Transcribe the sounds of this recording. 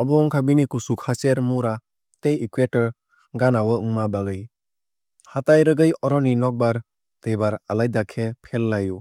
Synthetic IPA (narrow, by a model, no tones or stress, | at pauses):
ɔbɔŋkʰabinikusukʰaseɾmuɾa | tejikwetɔɾ | ɡanawəɯŋmabaɡɯj | hatajɾɯɡɯjɔɾɔninɔk̚baɾ | tejbaɾalajdakʰepʰelːaju